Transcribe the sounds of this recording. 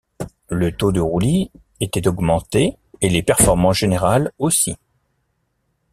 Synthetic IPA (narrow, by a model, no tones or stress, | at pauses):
lət̪od̪əʁuli | et̪ɛt̪ɔɡmɑ̃t̪e | elepɛʁfɔʁmɑ̃ʒ̥eneʁalosi